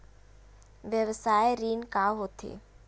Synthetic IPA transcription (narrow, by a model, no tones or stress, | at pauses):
ʋjəʋsaːeɾiːnkaɦoːt̪ʰḛː